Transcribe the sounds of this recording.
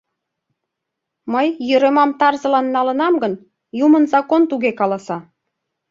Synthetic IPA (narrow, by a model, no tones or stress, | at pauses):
məjːøɾemɑmt̪ɑrzə̆lɑnːɑlə̆nɑmɡən | jumənzɑkont̪uɣekɑlɑsɑ